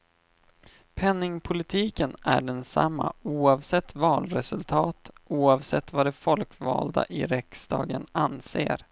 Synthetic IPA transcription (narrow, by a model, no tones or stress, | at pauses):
pʰɛnːɪŋpʰʊlɪt̪ʰiːkənæɖɛnsa̰mːauːɑvsɛt̪ːvɑːlɾɛsɵlt̪ʰɑːt̪ʔuːɑvsɛt̪ːvad̪ɛfɔlkvɑ̰ːld̪a̰ʔɪɾɛksd̪ɑ̰ːɡənanseːɾ